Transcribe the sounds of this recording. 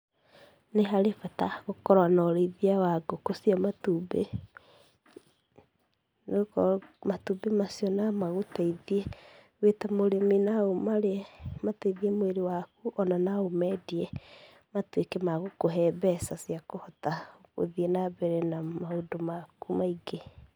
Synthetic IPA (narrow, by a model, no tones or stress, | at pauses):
neɦaɾefataɣokɔɾwanɔɾeiðiawaɡokosiɔmatube | nkmatubemasiɔnamaɣotaiðie | wetamoɾeminaomaɾemataiðiɛmoweɾewakuʔɔnanaomɛdiɛ | matwekemaɣokoɦɛbɛsasiakohɔtaɣo̰ðiɛnaβɛɾɛnamaodomakumaiɡe